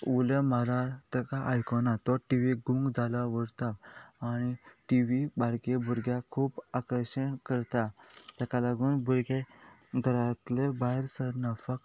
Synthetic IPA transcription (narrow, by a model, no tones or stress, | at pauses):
uləmaɾat̪əkaʔajkɔnat̪ɔʈiʋiɡũŋɡd͡zalaʋəɽt̪aːñiʈiʋibaɽkebuɾɡjakʰuːpakəɾɕəɳkəɾt̪at̪akalaɡuːnbuɾɡeɡ̪ʱəɾat̪ləbaɦeɾsəɾnəfək